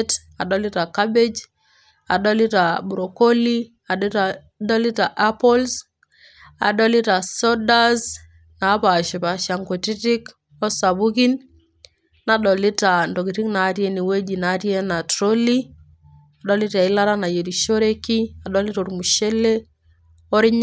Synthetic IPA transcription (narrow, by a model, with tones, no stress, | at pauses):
t | a˨ɗɔ˦li˦ta˨ka˦be˦d͡ʒ | a̰˨ɗɔ˦li˦ta˨bu˨ɾo˨ko˦li˦ | a˨ | ɗɔ˦li˦ta˨ʔa˦pɔ˦ls | a̰˨ɗɔ˦li˦ta˨sɔda˦z | na˨˦pa˨ʃi˨pa˨ʃa˨ŋko˨ti˦ti˦k | ɔ˦sa˨βu˦ki˦n | na˨ɗɔ˨li˦ta˨ndo˨ki˨ɾi˦kna˨˦ɾjɛ˦ni˨we˦d͡ʒi˨na˦ɾjɛ˦na˨tɾo˦li | a˨ɗɔ˦li˦ta˨ɪ˦la˦ɾa˦na˨je˨ɾi˨ʃo˦ɾe˦ki˦a˨ɗɔ˦li˦tɔ˨ɾmu˨ʃe˦le˦ | ɔ˦ɾi˦ɲ